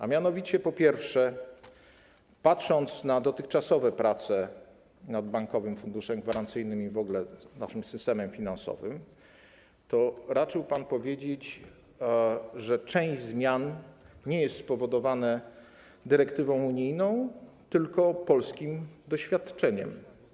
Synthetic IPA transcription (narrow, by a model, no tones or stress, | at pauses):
amʲjanɔvʲit͡ɕɛpɔpʲjɛɾfʂɛ | patʂɔnt̪snad̪ɔt̪ɘxt͡ʂasɔvɛpɾat̪sɛ | nad̪̚baŋkɔvɘmfund̪uʂɛmɡvaɾant̪sɘjnɘmivɔɡlɛna̰ʂɘmsɘst̪ɛmɛmfʲinansɔ̰vɘm | t̪ɔɾat͡ʂɘwpanpɔvʲjed͡ʑet͡ɕ | ʐɛt͡ʂɛ̃w̃ʑzmʲjanɲɛjɛst̪spɔvɔd̪ɔvanɛ | d̪ɘɾɛkt̪ɘvɔ̃w̃uɲijnɔ̃w̃t̪ɘlkɔpɔlskʲimd̪ɔɕfʲjat̪t͡ʂɛɲɛ̰m